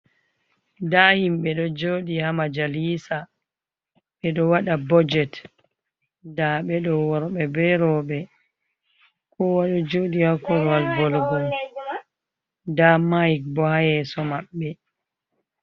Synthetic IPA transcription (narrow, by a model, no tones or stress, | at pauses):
dahimɓɛɗɔd͡ʒoːɗihamad͡ʒaliːsa | ɓɛɗɔwaɗabɔd͡ʒɛt | daɓɛɗɔwɔɾɓɛbɛɾɔɓɛ | kɔwaɗɔd͡ʒoɗihakɔɾwalɡɔlɡɔl | damajk̚bɔhajɛsɔmaɓːɛ